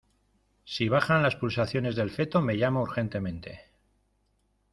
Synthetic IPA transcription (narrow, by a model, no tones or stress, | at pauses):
siβ̞aχanlaspulsaθjo̞ne̞zðe̞lfe̞t̪o̞me̞ʝamouɾxe̞nt̪e̞mẽ̞nt̪e̞̰